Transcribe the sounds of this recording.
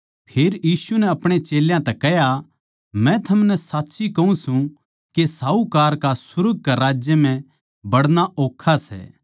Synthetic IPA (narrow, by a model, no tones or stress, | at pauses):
pʰeːɾjiːsunɛɐpɽ̃et͡ʃeːljãt̪ɛkɛɦja | mɛ̃t̪ʰɐmnɛsaːtːsikɐũsũ | kesaːukaːɾkasʊɾɡ̚ʱkaɾaːd͡ʒjəmɛ̃ | bɐɽnaʔoːkʰːasɛ̰ː